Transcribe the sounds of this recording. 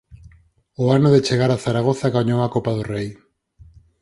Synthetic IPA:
ʊanʊðet͡ʃeɣaɾaθaɾaɣ̞oθaɣaɲowakopaðʊrej

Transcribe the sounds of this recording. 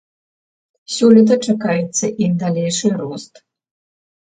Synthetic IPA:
sʲɔlʲit̪̬ɐt͡ʂakajɛt̪sːɐʔimd̪alʲejʂɨɾɔst̪

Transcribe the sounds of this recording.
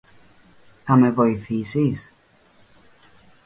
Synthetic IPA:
θɐme̞vo̞iθisis

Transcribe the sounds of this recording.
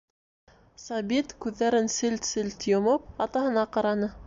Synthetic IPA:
sɑbit̪kʉðːæɾɘnsɘlt̪sɘlʲt̪jŏmɤp̚ɑt̪ɑhɤ̆nɑqɑɾɑnɤ

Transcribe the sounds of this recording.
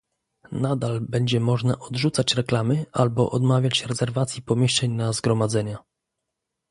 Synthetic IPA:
nad̪albɛɲd͡ʑɛmɔʐnaʔɔd̪ʐut̪sat͡ɕɾɛklamɘʔalbɔ̰ʔɔd̪mavʲjat͡ɕɾɛzɛɾvat̪sʲjipɔmʲjeʂt͡ʂɛɲnazɡɾɔmad̪zɛɲa

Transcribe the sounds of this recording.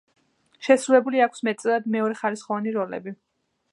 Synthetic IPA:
ʃɛsɾulɛbuliakʰsmɛt̪sʼɛlˠad̪mɛɔɾɛχalisχɔvaniɾɔlɛ̰bi

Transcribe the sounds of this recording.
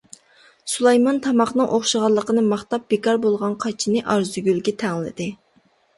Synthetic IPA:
sulˠɑjmɑnt̪ʰɑmɑχnɨŋʔoχʃəʁɑlˠːəqənɨmɑχt̪ɑp̚b̥ekɑɾbolˠʁɑnqʰɑt͡ʃʰinɨʔɑɾzyɡʲylɡʲɛt̪ʰɛŋlɪ̰d̪ɪ

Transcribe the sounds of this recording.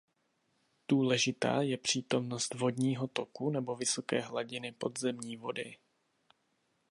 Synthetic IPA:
d̥uːlɛʒɪt̪a̰ːjɛpr̝̥iːt̪o̞mno̞st̪vo̞dɲiːɦo̞t̪o̞kunɛbo̞vɪso̞kɛːɦlaɟɪnɪpo̞d̪zɛmɲiːvo̞dɪ̰

